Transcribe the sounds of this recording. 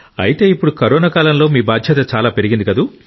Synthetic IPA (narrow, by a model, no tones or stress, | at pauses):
ɐ̰jit̪e̞ːipːuɽukɐɾɔːnaːkaːlɐmlo̞ːmiːbaːd̪ʱjɐt̪ɐt͡ʃaːlaːpe̞ɾiɡind̪ikɐd̪u